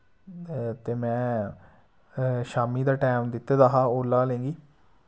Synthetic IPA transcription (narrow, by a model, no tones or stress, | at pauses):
t̪eːmɛ̃ː | ʃaːmiːd̪aːʈɛːmd̪ɪt̪ed̪aːɦaːoːlːaːlẽːŋɡiː